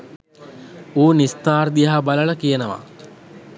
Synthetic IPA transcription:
uːnist̪aːrd̪ijɦabalələkijənəʋa̰

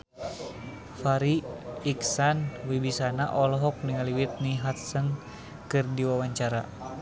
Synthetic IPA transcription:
faɾiːksanwibisanaʔɔlɔɦɔk̚niŋaliwit̪̚niɦat̪̚sən | kɨrdiwawaɲt͡ʃaɾa̰

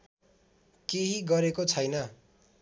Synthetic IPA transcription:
keɦiɡʌɾekot͡sʰʌjnʌ

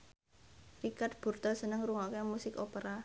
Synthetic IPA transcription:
rikat̪̚b̥ṳrt̪ɔsənəŋruŋɔkɛmusɪkopəɾa

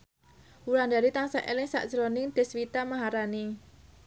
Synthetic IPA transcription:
wuland̪aɾit̪aŋsaʔelɪŋsa̰ʔd̥ʒ̥ɾɔnɪŋd̪̥e̤swit̪amaɦaɾani

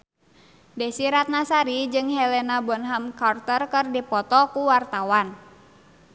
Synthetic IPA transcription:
dɛsiɾat̪̚nasaɾid͡ʒɨŋɦɛlɛnabɔnɦamkart̪ərkɨrdipɔt̪ɔkuwart̪awan

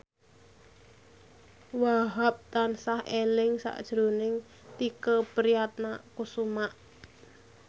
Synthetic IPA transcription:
waɦap̚t̪ansahelɪŋsa̰ʔd̥ʒ̥ɾunɪŋ | t̪ikəpəɾijat̪̚nakusumaʔ

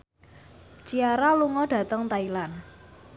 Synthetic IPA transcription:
t͡ʃiaɾaluŋɔɖ̥ä̤t̪əŋt̪ailan

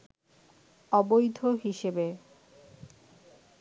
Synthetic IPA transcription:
ɔbojd̪ʱoɦiʃebe

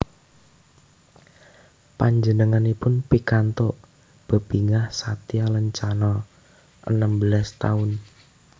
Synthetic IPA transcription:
paɲd͡ʒənəŋanipʊnpikant̪oʔ | b̥ə̤b̥iŋahsat̪ialəɲt͡ʃanɔ | ʔə̰nəmbəlast̪aʊn

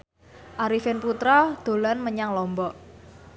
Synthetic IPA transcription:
ʔaɾifɪnput̪ɾɔd̪̥o̤lanməɲaŋlɔmbɔʔ

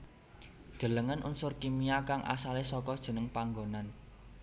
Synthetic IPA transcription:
d̥ʒ̥ə̤ləŋənʔṵnsʊrkimiakaŋʔa̰salesɔkɔd̥ʒ̥ə̤nəŋpaŋɡonan

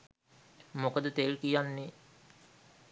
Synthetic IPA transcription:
mokəd̪ət̪elkijanːe

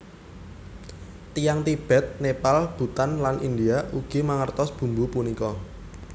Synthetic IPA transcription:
t̪ijaŋt̪ib̥ɛ̤t̪̚nepalb̥ṳt̪anlanʔindiaʔuɡ̥i̤maŋərt̪ɔsb̥ṳmbupunikɔ

